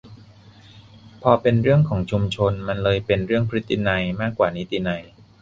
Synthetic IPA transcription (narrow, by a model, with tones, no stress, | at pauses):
pʰɔː˧pe˧nɾɯ˥˩əŋkʰɔː˩˦ŋt͡ɕʰu˧mt͡ɕʰo˧nma˧nlɤː˧jpe˧nɾɯ˥˩əŋpʰɾi˦˥t̪ːi˧na˧jmaː˥˩kːwaː˨˩ni˦˥t̪i˧na˧j